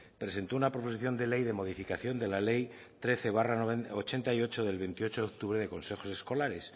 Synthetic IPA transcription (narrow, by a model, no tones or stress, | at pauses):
pɾese̞nt̪o̞unapɾo̞po̞siθjo̞nd̪e̞le̞jðe̞mo̞ðifikaθjo̞nd̪e̞lale̞j | t̪ɾe̞θe̞β̞araot͡ʃe̞nt̪aio̞t͡ʃo̞ðe̞lβe̞nt̪io̞t͡ʃo̞ðeok̚t̪uβɾe̞ðe̞ko̞nse̞xo̞se̞sko̞laɾe̞s